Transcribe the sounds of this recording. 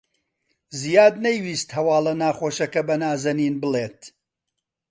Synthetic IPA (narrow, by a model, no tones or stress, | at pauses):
zijaːd̪nɐjwiːst̪hɐwaːlɐnaːχoːʃɐkɐbɐnaːzɐniːnbɨlˠeːt̪